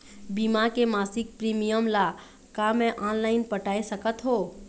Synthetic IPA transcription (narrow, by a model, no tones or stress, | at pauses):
bimakemaːsɪk̚pɾimijəmla | kamɛ̃ʔanlaːɪnpəʈaːesəkət̪ɦoː